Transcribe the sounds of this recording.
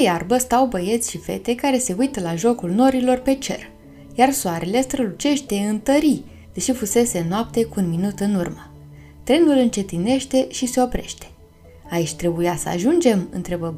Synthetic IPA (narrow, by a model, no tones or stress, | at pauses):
ejarbəst̪awbəje̞t̪sʲʃife̞̰t̪e̞kaɾe̞se̞ujt̪əlaʒo̞kulno̞ɾilo̞rpe̞t͡ʃe̞̰r | jarsoaɾe̞le̞st̪ɾəlut͡ʃe̞ʃt̪e̞ɨnt̪əɾi | d̪eʃifuse̞se̞noap̚t̪e̞kuːnminut̪ɨnurmə | t̪ɾe̞nulɨnt͡ʃe̞t̪ine̞ʃt̪e̞ʃise̞o̞pɾe̞̰ʃt̪e̥ | ait͡ʃʲt̪ɾe̞bujasə̰a̰ʒund͡ʒe̞mɨ̰nt̪ɾebəb